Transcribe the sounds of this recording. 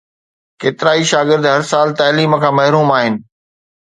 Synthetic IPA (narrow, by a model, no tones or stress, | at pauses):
keːt̪ɪɾaːiʃaːɡɪɾd̪ɦɐɾsaːlt̪aːliːməkʰãːmɐɦɾuːmaːɦɪnɪ̆